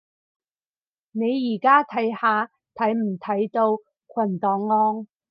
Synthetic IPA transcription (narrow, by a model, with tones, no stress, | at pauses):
ne˨˧jːiː˨˩kaː˥t̪ʰɐ˨˥jhaː˨˧ | t̪ʰɐ˨˥jm̩˨˩t̪ʰɐ˨˥jt̪o˧w | kʰwɐ˨˩nt̪ɔː˨˧ŋːɔː˥ŋ